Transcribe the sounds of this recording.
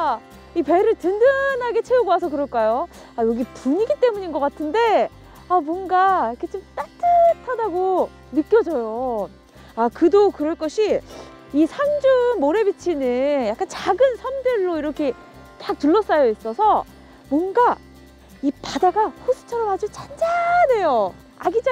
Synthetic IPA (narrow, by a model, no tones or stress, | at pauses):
ipe̞ɾɯɭtɯndɯnaɡe̞t͡ɕʰeuɡowasʰʌkɯɾʌɭk͈ajo | ajʌɡipuɲiɡit͈e̞muɲinɡʌk͈atʰɯnde̞ | amwʌnɡajʌkʰet͡ɕ͈omt͈at͈ʰɯtʰadaɡo | mɯk͈jʌd͡ʑʌjo | akɯdokɯɾʌɭk͈ʌɕʰi | isʰand͡ʑunmoɾe̞bit͡ɕʰinɯjak͈ant͡ɕaɡɯnsʰamdeɭːoiɾʌkʰe̞ | kak̚tuɭːʌs͈ajois͈ʌsʰʌ | mwʌnɡa | ipadaɡaɸusʰɯ̥t͡ɕʰʌɾʌmɦad͡ʑot͡ɕʰand͡ʑane̞jo | aɡid͡ʑa